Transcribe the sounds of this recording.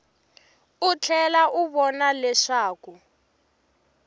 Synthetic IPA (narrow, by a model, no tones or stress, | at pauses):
ut͡ɬʰɛlaʔuβɔnalɛʂaːku